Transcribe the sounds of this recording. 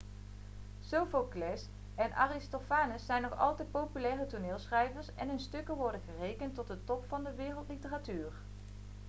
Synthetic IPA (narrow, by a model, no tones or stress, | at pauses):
sowfoklɛs | ɛnʔa̰ːrɪstofaːnəsːɛjnːɔχɑ̰lˠtɛjt̚powpylɛːrətunɪːlˠsχrɛjvəɹsɛ̰nənstɵkəʋɔɹdəχərejkəntːɔt̚dətɔpfɑndəʋɪːrəlˠtlitəratyːr